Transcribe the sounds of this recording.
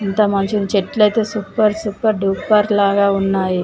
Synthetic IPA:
int̪ɐmɐɲt͡ʃinit͡ʃeʈːlɐjt̪e̞ːsuːpɐɾsuːpɐɾɖuːpɐɾlaːɡaːunːaːji

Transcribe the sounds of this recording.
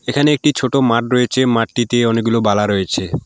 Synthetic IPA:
ekʰaneek̚ʈit͡ɕʰoʈomaʈɾoet͡ɕʰemaʈ̚ʈit̪eɔnek̚ɡulobalaɾojet͡ɕʰe

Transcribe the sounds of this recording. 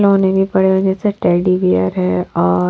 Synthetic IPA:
lɦoːnebʱipɐɽ̤ebɐd͡ʒɛseʈɛːɖiʋiə̰ɾɦɛɔː

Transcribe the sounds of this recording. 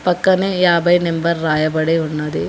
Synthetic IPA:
pɐkːɐneːjaːbɐjnembɐɾːaːjɐbɐɽeunːɐd̪e

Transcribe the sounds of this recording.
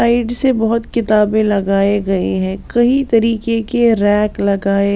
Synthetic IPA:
aːɪɖsebɐɦʊt̪kɪt̪aːbẽlɐɡaːeɡɐḛɦɛ̃ːkɐɦit̪ɐɾiːkekeɾɛːklɐɡaːe

